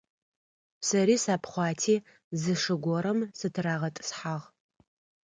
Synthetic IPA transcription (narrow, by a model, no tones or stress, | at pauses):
sɐɾiːsaːpʰχʷɑːtʰiː | zɨʂɨɡʷɔɾɐmsɨtʰɨraːʁɐtʼɨ̥sħaʁ